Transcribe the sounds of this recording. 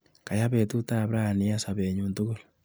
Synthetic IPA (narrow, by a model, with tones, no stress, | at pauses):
ka˨ja˦βetu˦ta˦bɾa˨ni˨asa˨βeɲuntuɣol